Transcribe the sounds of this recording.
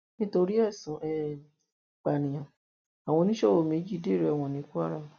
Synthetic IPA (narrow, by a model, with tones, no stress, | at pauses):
nĩ˦to˧ɾi˦ɛ˦˨sũ˨˦ʔɛ˦˨ | k͡pa˨nĩ˨j̃ã˨ | a˨w̃ɔ̃˧nĩ˦ʃɔ˦wo˦˨mẽ˨˦d͡ʒi˦˨˦de˦˨ɾɛ˨ɛ˦˨w̃ɔ̃˧˨nĩ˨˧˦ku˦a˦ɾa˦˨